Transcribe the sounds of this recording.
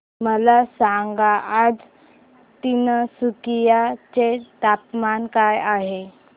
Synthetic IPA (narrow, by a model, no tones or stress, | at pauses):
məlasaŋɡaʔad͡z | t̪inəsukijat͡set̪apmankajaɦe